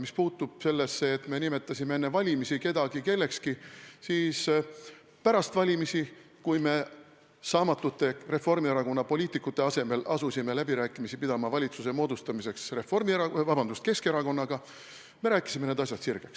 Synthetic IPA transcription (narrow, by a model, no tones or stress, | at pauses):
mispuːt̪ːˑub̥̚se̞lːesːeːt̪me̞nime̞t̪ˑːɑsʲimee̞nːevɑlʲimisike̞d̪̥ɑɡ̥ike̞lːe̞kskisiːs | pæɾɑst̪vɑlʲimisi | kujme̞ | sɑːmɑt̪ːˑut̪ːe̞re̞fo̞rmieɾɑko̞nːɑpo̞lʲiːt̪ikːˑut̪ːˑe̞ɑse̞me̞lɑsusʲime̞læbiɾæːkːˑimisipid̪̥ɑmɑvɑlʲit̪suse̞mo̞ːd̪ust̪ɑmise̞ksreformiɑvɑbɑnd̪̥ust̪̚ke̞ske̞ɾɑko̞nːɑɡ̥ɑ | me̞ɾæːkːˑi̥sime̞ne̞ːd̪ɑsʲjɑd̪̥sirɡ̥e̞ks